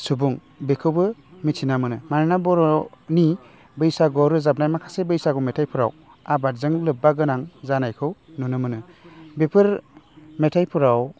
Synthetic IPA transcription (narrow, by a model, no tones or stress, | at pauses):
subuŋ | bekʰɯwbɯmitʰinamɯnɯmanɯnabɔɾɔni | bɯjsaɡɔɾɯzab̚najmakʰḁsebɯjsaɡɔmetʰajpʰɯɾa̰w | abaɾzɯŋlɯp̚bːaɡɯnaŋzanajkʰɯwnunɯmɯnɯ | bepʰɯɾmetʰajpʰɯɾaw